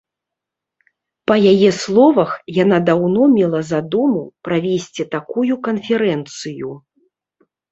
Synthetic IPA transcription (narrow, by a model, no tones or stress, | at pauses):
pɐjajɛslˠɔvɐxjanad̪awnɔmʲɛlˠɐzad̪umupɾavʲesʲt͡sʲit̪akujukɐnfʲɛɾɛnt̪sɨju